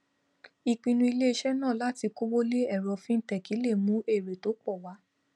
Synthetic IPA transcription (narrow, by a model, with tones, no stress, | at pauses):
i˧˨k͡pĩ˧nũ˧˦i˧le˦i˧ʃɛ˦nã˦˨la˦ti˧ko˦wo˦le˦ɛ˦˨ɾɔ˧fĩ˦n̩˦tɛ˨ki˨˦le˦˨mũ˨˦e˦˨ɾe˨to˨˦k͡pɔ˦˨wa˨˦